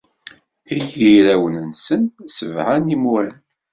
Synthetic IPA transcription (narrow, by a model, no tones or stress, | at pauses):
ijiɾæwənənsənsəvʕanimuɾæn